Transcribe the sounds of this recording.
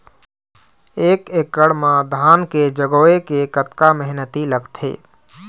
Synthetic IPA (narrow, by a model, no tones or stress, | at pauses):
eːkeːkːəɽmãd̪ʱaːnked͡ʒəɡoːekekət̪kaməɦnət̪iləɡt̪ʰḛː